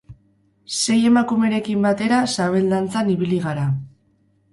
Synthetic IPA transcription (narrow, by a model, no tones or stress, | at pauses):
se̞je̞makume̞ɾe̞kimbat̪e̞ɾasaβe̞ld̪ant͡saniβiliɣaɾa